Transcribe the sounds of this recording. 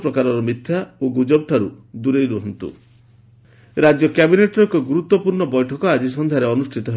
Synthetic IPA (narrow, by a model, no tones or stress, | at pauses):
pɾɔkaɾɔɾɔmit̪ʰːjaoɡud͡ʒɔb̚ʈʰaɾu | d̪uɾejɾuɦɔnt̪ṵ | ɾad͡ʒjɔkabineʈɾɔŋkɔɡuɾut̪wɔpuɾɳɔbɔjʈʰɔkɔad͡ʒisɔnd̪ʱjaɾeɔnusʈʰit̪ɔɦe